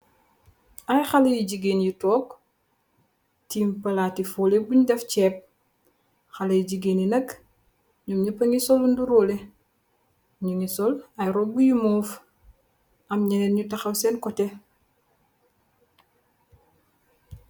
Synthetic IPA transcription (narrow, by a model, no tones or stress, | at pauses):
ʔɐjxalɐjiɟiɡeːnjitɔːk | tiːmpɐlaːtifulɛbuɲudɛfcɛːp̚ | xalɐjiɟiɡeːnjinɐk | ɲumɲupɐŋisɔlunduɾɔːle | ɲuŋisɔlɐjɾɔbujimɔːf | ɐmɲɛnɛnɲutɐxɐwsɛnkɔtɛ